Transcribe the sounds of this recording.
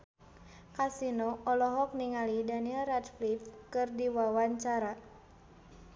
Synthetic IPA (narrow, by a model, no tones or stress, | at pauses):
kasinɔʔɔlɔɦɔk̚niŋalidanilratflifkɨrdiwawaɲt͡ʃaɾa